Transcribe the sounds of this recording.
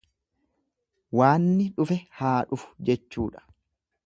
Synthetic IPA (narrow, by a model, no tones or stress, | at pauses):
waːnːɪᶑʊfɛhaːᶑʊfʊ̥d͡ʒɛt͡ʃːuːᶑɐ̥